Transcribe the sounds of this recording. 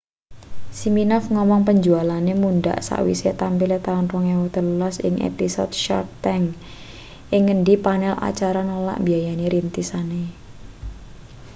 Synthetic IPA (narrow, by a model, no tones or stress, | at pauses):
siminɔfŋɔmɔŋpəɲd͡ʒualanemunɖa̰ʔsa̰ʔwḭset̪ampilet̪anrɔŋewɔt̪əlulasɪ̰ŋʔḛpisɔ̰t̪̚ʃa̰rt̪ɛŋ | ʔɪŋːəɳɖipanɛla̰t͡ʃaɾanola̰ʔbiajaneɾint̪isane